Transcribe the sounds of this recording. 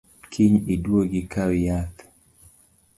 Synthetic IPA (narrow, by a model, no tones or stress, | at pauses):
kʰiɲidwoɡɪkawjat̪